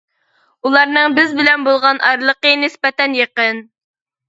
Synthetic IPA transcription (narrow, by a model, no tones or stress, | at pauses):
ulˠɑɾnɨŋbɪzbɪlɛnbolˠʁɑnʔɑɾlˠəqənɪspɛt̪ɛnjeqən